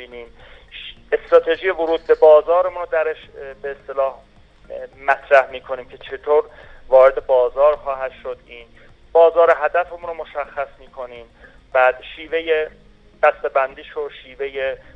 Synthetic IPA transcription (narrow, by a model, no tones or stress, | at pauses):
iːniːm | est̪ɾɒːt̪ʰe̞ʒijevoɾuːd̪̚be̞bɒːzɒːɾemunɾod̪æɾeʃbeest̪e̞lɒːh | mæt̪ʰɾæhmiːkʰo̞niːmcʰe̞t͡ʃʰe̞t̪ʰoːɾ | vɒːɾed̪e̞bɒːzɒːɾxɒːɦæd̪̥ʃod̪iːn | b̥ɒːzɒːɾeɦæd̪æfemunɾomo̞ʃæxːæsmiːkʰo̞niːm | bæːd̪ʃiːve̞je | b̥æst̪ebænd̪iːʃoʃiːveje